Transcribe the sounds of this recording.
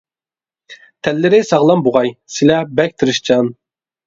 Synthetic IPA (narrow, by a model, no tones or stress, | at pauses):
t̪ʰɛlːɪɾɪsɑʁlˠɑmboʁɑjsɪlɛbɛk̚ʲt̪ʰɨɾɨʃt͡ʃʰɑn